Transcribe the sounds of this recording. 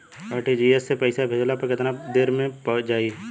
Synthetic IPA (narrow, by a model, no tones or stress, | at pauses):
aɾʈid͡ʒiesːepɛɪsabʱed͡ʒlapɐɾkɪt̪nad̪eːɾmẽpd͡ʒaːi